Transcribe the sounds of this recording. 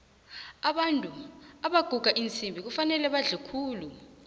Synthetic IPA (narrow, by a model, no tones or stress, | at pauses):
aɓantʼuaɓaɡ̥ʱuɡ̥ʱaʔint͡sʼimbʱik̬ufanɛlɛɓaɮikʰuːlu